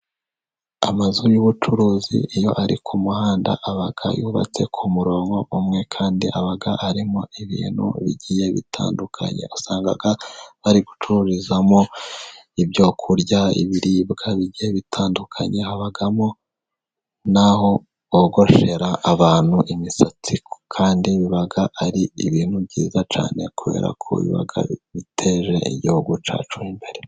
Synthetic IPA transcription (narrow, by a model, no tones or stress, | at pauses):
a̰mazujuβut͡ʃuɾuːzḭijo̞̰ʔaɾikʰumuhaːnda̰ʔaβaɡ̥a̰juːβa̰t͡se̞kʰumuɾo̞ːŋɡo̞ʔumŋe̞kʰaːndiʔaβaɡaʔaɾimoiβḭːn̥hṵβḭɟije̞βḭtʰa̰ːndukʰa̰ɲe̞̰osaːŋɡa̰ɡaβaɾiɡu̥t͡ʃuɾuɾizamo̞ | ibjo̞ːkʰuɾɟaḭβiɾibɡaβiɟijeβitʰaːndukʰaɲe̞haβaɡamo̞ | naho̞ | βoɡo̞ʃe̞ɾaʔːβaːn̥huʔimisat͡sikʰaːndiβiβaɡaʔaɾiiβiːn̥hubɟḭːzat͡ʃa̰ːne̞kuβe̞̰ːɾa̰kʰo̰ḭβḭβa̰ɡa̰βitʰe̞ːʒe̞̰ḭɟihuɡut͡ʃa̰ːt͡ʃuimbe̞ɾe